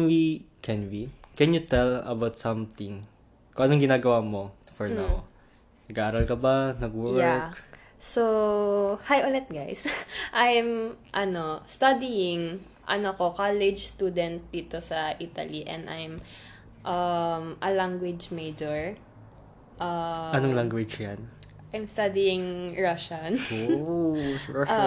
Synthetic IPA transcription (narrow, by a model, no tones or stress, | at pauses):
wi | kʰɛnwikɛnjʊt̪ɛlɐ̰bawt̪sɐmt̪ɪ̃ŋ | kõŋʔɐnoŋɡɪnaːɡɐwamo | fɔɹnaw | nɐɡaʔaːɾɐlkɐbanɐɡ̚wjɛɹk | so | hajʔolɛt̪̚ɡajsʔajmʔɐnost̪ɐd̪ijɪŋ | ʔɐ̰nokokalɛd͡ʒst̪uːd̪ɛnt̪̚d̪iːt̪osɐʔit̪ɐ̰liʔɛ̰̃nd̪ʔa̰jm | ʔɐmʔɐlaŋɡwɪd͡ʒmejd͡ʒɔɹ | ʔɐɐoŋlaŋɡwɪd͡ʒjan | ʔajmst̪ad̪ijɪŋɹaʃɐno | a